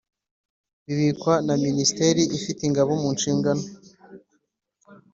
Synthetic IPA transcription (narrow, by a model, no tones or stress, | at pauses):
βiβikwanaministeɾiʔifitiŋɡaβomunʃiːŋɡano